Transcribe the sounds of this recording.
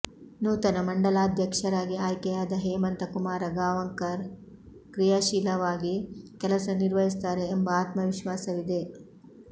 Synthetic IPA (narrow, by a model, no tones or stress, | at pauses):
nuːt̪ɐnɐmɐɳɖɐlaːd̪ʱjɐkʂɐɾaːɡiaːjkɛjaːd̪ɐɦeːmɐnt̪ɐkumaːɾɐɡaːʋɐŋkɐɾ | kɾijaːʃiːlɐʋaːɡikɛlɐsɐniɾʋɐɦist̪aːɾe̞ːmbɐaːt̪mɐʋiʃʋaːsɐʋid̪e̞